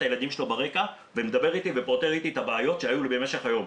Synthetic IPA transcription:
aje̞lad̪imʃelobaʁe̞ka | vemed̪abe̞ʁit̪ivepo̞t̪eʁit̪iet̪abeːjo̞tʃeajulebeme̞ʃe̞χajo̞m

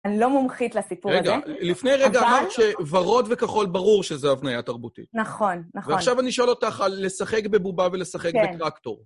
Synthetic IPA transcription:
anilomomχitlasipuʁeɡalifnejʁeɡaːmaʁtʃevaʁo̞d̪ve̞kaχo̞lbaʁuʁʃezeavnajat̪aʁbutḭtnaχonːaveaχʃavaniʃo̞lo̞t̪aχalːe̞saχe̞kbebubave̞le̞saχekbet̪ʁakto̞̰ʁ

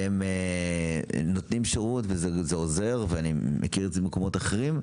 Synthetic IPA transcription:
eme | not̪nimʃeʁutvezezeoze̞ʁveanimʔḛkiʁezeemeko̞mo̞taχeʁim

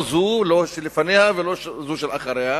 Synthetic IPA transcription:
zuloʃelefanehaveloʃzuʃelaχaɾeha

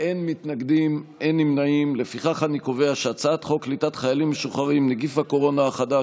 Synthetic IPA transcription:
ʔe̞nmitnaɡd̪imʔe̞nimnaimle̞fiχaχaniko̞ve̞aʃeat͡saatχoklitatχajalimːeʃuχaʁimneɡifhako̞ʁo̞naːχada

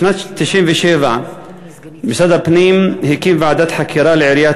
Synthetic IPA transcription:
nat̪ːɪʃiːnviʃeva | bɪsad̪apniːmhikinvaʕad̪aːt̪ħakʰiɾˤaːlʕɪɾjaː

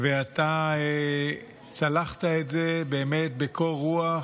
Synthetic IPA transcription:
veatae | ʃalaχtaetzebe̞ːme̞t̚bekʰo̞lʁua

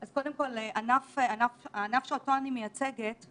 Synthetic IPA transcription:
azko̞demko̞leʔanafeanafaːnafʃeotoanimejat͡seɡet

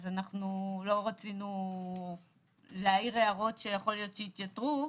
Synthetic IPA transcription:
zanaχnulo̞ʁat͡sinu | leaiʁeaʁo̞tʃe̞jaχo̞ljo̞t̪ʃeit̪jatʁu

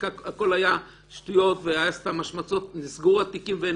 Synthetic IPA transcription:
ako̞laja | ʃtujo̞tveaast̪amaʃmat͡sotnisɡuʁat̪ikimve

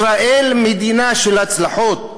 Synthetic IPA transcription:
ɾaʔelmed̪inaʃelat͡slaħot̪̚

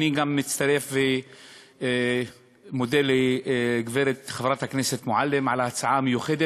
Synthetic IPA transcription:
niɡamːɪt̪t͡st̪aɾefbe | mod̪elːeɡveɾet̪χavɾat̪hakneset̪moʕalːemʕalaat͡sʕamejuxed̪e

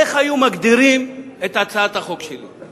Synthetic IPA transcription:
eχajumaɡd̪iɾimet̪at͡saat̪haχo̞kʃelo̰

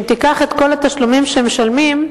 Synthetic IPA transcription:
t̪ikaχe̞t̪ko̞lat̪aʃlumimʃeemeʃalmim

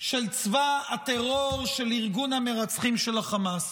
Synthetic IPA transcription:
ʃe̞lt͡svaat̪eʁoʁʃeliʁɡunameʁat͡sχimʃe̞laχamas

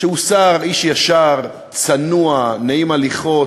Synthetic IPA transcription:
ʃeusaʁiʃjaʃaʁ | t͡sanuanaimaliχo̞

